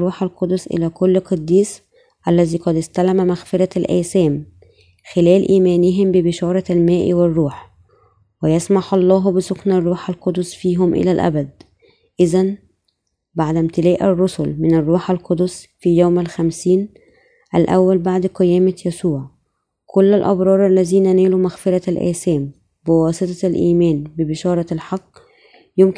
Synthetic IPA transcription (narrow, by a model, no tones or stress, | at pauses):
uːħalqod̪ʊsʔɪ̰læːkʊlːqɨd̪ːiːs | ʔælːæziːqɑd̪ɪst̪ælæmæmæxfɪɾælʔæ̰ːsæːm | xɪlæːlʔiːmæːnɪɦɪmbɪbɪʃɑːɾˤɑlmæːʔwɪrːuːħ | wɪjæsmɑħɑlˤːɑːɦbɪsʊknɑrˤːuːħalqod̪osfiːɦʊmʔɪ̰lælʔæ̰bæd̪̚ | ʔɪzæn | baʕd̪æmt̪ɪlæːʔærˤːosʊlmɪnɑrːuːħalqʊd̪ʊsfiːjoːmælxæmsiːn | ʔæ̰lʔæ̰wːælbaʕd̪qejæːmajæsuːʕ | kʰʊlːalʔɑ̰bɾˤɑːɾˤʔalːæziːnænæːlumæxfɪɾælʔæ̰ːsæːm | bɪwɑːsˤɨt̪ˤɑlʔḭːmæːnbɪbɪʃɑːɾˤɑlħɑqː | jʊmk